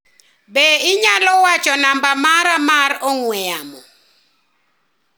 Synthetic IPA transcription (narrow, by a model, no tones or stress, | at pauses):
bɛiɲalɔwḁt͡ʃʼɔnambamaɾamaɾɔŋwɛamɔ